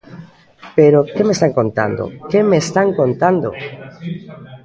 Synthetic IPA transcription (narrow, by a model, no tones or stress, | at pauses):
peɾokemest̪aŋkont̪a̰nd̪o̰kemest̪aŋkont̪and̪o̰